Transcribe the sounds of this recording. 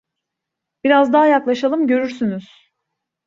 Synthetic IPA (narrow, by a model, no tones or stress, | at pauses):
b̥iɾazd̪aɦajaklˠaʃalˠɯmɟø̞ɾyɾsynyz̥